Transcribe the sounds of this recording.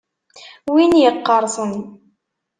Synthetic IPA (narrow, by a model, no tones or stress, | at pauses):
winjəqːɑɾˤsˤən